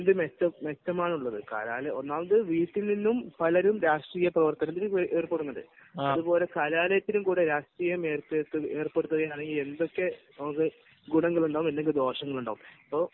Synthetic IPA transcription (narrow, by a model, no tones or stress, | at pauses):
end̪ɨmetːɐmːetːɐmaːɳuɭːɐðɨka̰ːlaːlɐjɐonːaːɭkɨʋiːʈːilninːumpɐlɐɾumɾaːʂʈriːjɐprɐʋɐrt̪ɐnɐt̪ːiʔeːrpːe̞ɽunːɐðɨ̰ | ɐðupo̞ːle̞kaːlaːlɐjɐt̪ːinumkuːɽeɾaːʂʈriːjɐme̞ːrt̪ːet̪ːɨe̞ːrpeɽut̪ːɐɣɐjaːɳe̞ŋɡile̞nd̪o̞kːe̞nɐmukːɨ | ɡuɳɐŋːɐɭuɳɖaːʋumenːekːɨd̪o̞ːʂɐŋːɐɭuɳɖaːʋumɐpːo